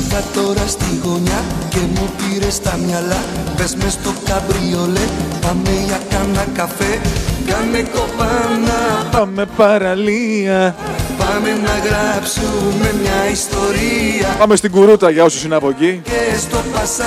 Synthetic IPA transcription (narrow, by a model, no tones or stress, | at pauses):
t̪ɐt̪o̞ɾɐst̪iɣo̞ɲɐce̞mupiɾest̪ɐmɲɐlɐpe̞zmest̪o̞kɐbɾiolepɐmeʝakɐnɐkɐfe̞kamekopɐnɐpɐme̞pɐɾɐliɐ | pɐmenɐɣɾɐpsume̞mɲɐist̪o̞ɾiɐpɐme̞st̪iɡuɾut̪ɐʝɐo̞sosinɐpo̞ʝikest̪o̞pas